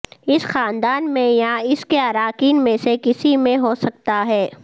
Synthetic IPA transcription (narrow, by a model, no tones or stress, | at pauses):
ɪsxaːnd̪aːnmẽjãɪskeɐɾaːkiːnmẽsekɪsimẽɦoːsɐk̚t̪aɦɛː